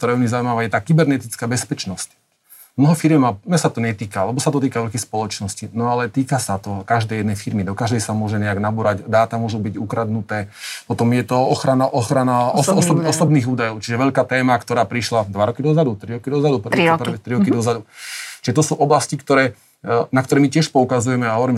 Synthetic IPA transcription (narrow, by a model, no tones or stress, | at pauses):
k̚t̪ɔɾaːumizauimaʋajɛt̪aːkibɛɾnɛt̪it͡skaːbɛspɛt͡ʃnɔsc | mnɔɦɔfiɾjɛmanɛsat̪ɔɲɛt̪iːkaalɛbɔsat̪ɔt̪iːkaʋɛʎkɛjspɔlɔt͡ʃnɔscinɔalɛt̪iːkasat̪ɔkaʒd̪ɛjɛd̪nɛjfiɾmid̪ɔkaʒd̪ɛjsamʊɔʒɛɲɛaɡnabuɾaɟd̪aːt̪amʊɔʒubiɟukɾad̪nut̪ɛːpɔt̪ɔmjɛt̪ɔɔxɾanaʔɔxɾanaɔsɔsɔɔsɔbniːɣuːd̪ajɔʊt͡ʃiʒɛʋɛʎkaːt̪ɛːmakt̪ɔɾaːpɾiʃlad̪ʋaɾɔkid̪ɔzad̪ut̪ɾiɾɔkid̪ɔzad̪up̩ɾipt̪ɾiɾɔkid̪ɔzad̪ut͡ʃiʒɛt̪̬ɔsuːʔɔblascikt̪ɔɾɛː | nakt̪ɔɾɛmicɪɛʃpɔukazujɛmɛaɦɔʋɔɾiːm